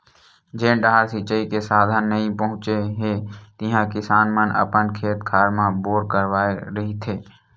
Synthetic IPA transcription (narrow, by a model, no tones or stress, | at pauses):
d͡ʒeːnɖaːɾsɪt͡ʃəikesaːd̪ʱənːəɦĩpəɦʊ̃t͡ʃeɦet̪ɪɦãkɪsaːnmənə̰pənkʰeːt̪kʰaːɾmãboːɾkəɾʋaːeɾəɦit̪ʰeː